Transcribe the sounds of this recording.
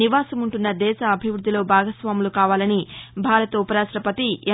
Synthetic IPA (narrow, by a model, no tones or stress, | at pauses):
iʋaːsɐmuɳʈunːɐd̪ɛːsɐːbʱiʋɾud̪ʱːilo̞ːbʱaːɡɐsʋaːmulukaːʋaːlɐnibʱaːɾɐt̪ɐupɐɾaːsɾɐpɐt̪ie